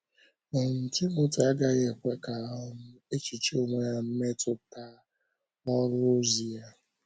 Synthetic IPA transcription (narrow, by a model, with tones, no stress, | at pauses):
ɔ˨n̩˨tɪ˦mʊ˦ta˦ɡa˦ɣe˦˨e˨kʷe˦ka˨˦ʊ˦mʊ˦e˦t͡ʃi˨t͡ʃi˦o˨ŋʷe˨ja˦˨m̩˦me˦tʊ˨ta˦ | ɔ˦ɾʊ˦o˦zi˨ja˦